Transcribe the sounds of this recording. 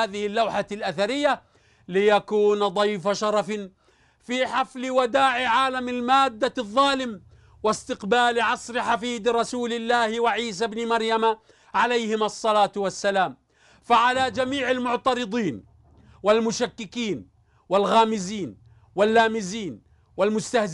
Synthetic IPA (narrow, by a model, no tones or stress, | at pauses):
aːðɪhɪlːawħalʔaθaɾɪjːa | lɪjakuːnd̪ˤɑjfaʃɑɾˤɑf | fiːħaflɪwad̪aːʕɪʕaːlamɪlmaːd̪ːaðˤːɑːlɪm | wɪst̪ɪqbaːlʕɑsˤɾɪħafiːd̪ɾˤɑsuːlɪlːaːhwaʕiːs̬abnɪmɑɾˤjama | ʕalajhɪmɑsˤːɑlaːt̪wasːalaːm | faʕalaːd͡ʒamiːʕɪlmʊʕt̪ɑɾɨd̪ˤiːn | wɪlmʊʃakːɪkiːn | wɪlɣaːmɪziːn | wɪlːaːmɪziːn | wɪlmʊst̪ah